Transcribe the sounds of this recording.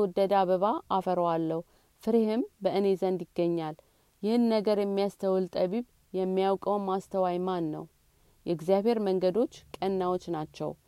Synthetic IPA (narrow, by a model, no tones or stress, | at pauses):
wɔd̪ːəd̪aβəβaafəɾəwalːəhu | fɨɾehɪmbəʔɨnezənd̪jɪɡːəɲːal | jɪhɨnːəɡəɾjɛmːijast̪ʰəwɨlt̪ʼəβiβ | jɛmːijawkʼəwmast̪ʰəwajmanːə̰w | jɛɡzijaβhe̞ɾməŋɡəd̪o̞t͡ʃːkʼənːawot͡ʃːnat͡ʃːɛ̰w